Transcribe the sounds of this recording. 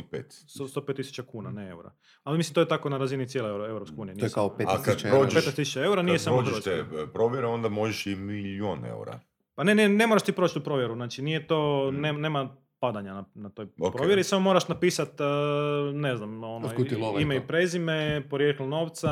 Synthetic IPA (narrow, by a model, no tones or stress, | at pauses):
pḛːt̪sost̪opet̪ːisu̥t͡ʃakuːnaneewɾa̰ | alimislimt̪ojet̪ako̞naɾazinit̪ʲjeloeoewɾopskeuːnienskaeakad̪ɾod͡ʒpetʃnɛst̪isut͡ʃaeuɾanijessamod͡ʒ̪ɾeoʃt̪epɾoʋjeɾeo̞nd̪amo̞ʒeʃimiljonḛṵɾa̰ | panenenemoɾaʃt̪iːpɾoːt͡ʃt̪upɾo̞ːʋjeɾuznaːt͡ʃinijet̪oneːneːma | pad̪aɲananat̪ojokpɾoʋjeɾisamomoːɾaʃnapiːsat̪ː | neznamonokut̪iloimaipɾezimepoɾjeːklono̞ːʋt̪sa